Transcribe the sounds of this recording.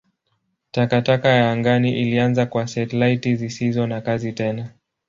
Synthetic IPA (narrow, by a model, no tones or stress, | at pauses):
takatakajaːŋɡaniʔilianzakwasɛtɛlaitizisizɔnakazitɛna